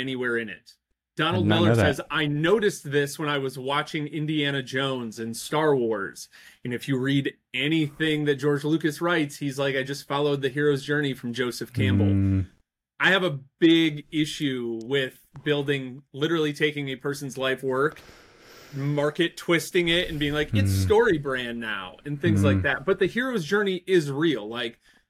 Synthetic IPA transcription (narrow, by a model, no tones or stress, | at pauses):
ɛñiwɛɹɨ̃nɪ̰t̚ | d̥ɑnl̩ˠdmɪlˠə˞sɛzaɪnoʊɾɨsðɪswə̃ñaɪwʌzwɑt͡ʃɪ̃ŋɪ̃ndiæɾ̃ɨd͡ʒõʊ̃nzɨ̃nstɑɹwɔɹz̥ | ɨ̃nɨfjɨɹiɾ | ɛniθɪ̃ŋðɨt̚d̥ʒ̥ɔɹd͡ʒlʉkɨsɹaɪtshizlaɪkaɪd͡ʒʌstfɑlˠoʊd̪̚ðɨɦɪɹoʊzd͡ʒɜ˞ñifɹʌ̃md͡ʒoʊsɨfkʰæ̃mbl̩ˠ | ʔaɪɨvəb̥ɪɡɪʃʉwɪð̥ | bɪlˠdɪ̃ŋlɪɾə˞l̩ˠitʰeɪkɪ̃ŋɨpʰɜ˞sn̩zlaɪfwɜ˞k | mɑɹkɨtʰw̥ɪstɪ̃ŋɪɾɨ̃nbiɪ̃ŋlaɪkɪtstɔɹibɹæ̃nːa̰ʊɨ̃nθɪ̃ŋzlaɪk̚ðæt̚b̥ʌt̪̚ðɨhɪɹoʊzd͡ʒɜ˞niʔɪzɹilˠlaɪk